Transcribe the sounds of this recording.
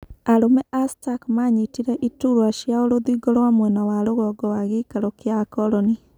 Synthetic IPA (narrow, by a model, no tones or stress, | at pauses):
aɾomɛʔastakmaɲitiɾɛʔituɾwaʃjaoɾoðiɡɔɾwamwɛnawaɾoɣɔɡɔwaɣekaɾɔkeakɔlɔni